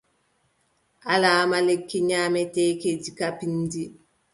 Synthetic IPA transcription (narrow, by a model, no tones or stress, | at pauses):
ʔalaːmalekːiɲaːmɛtɛked͡ʒikapindi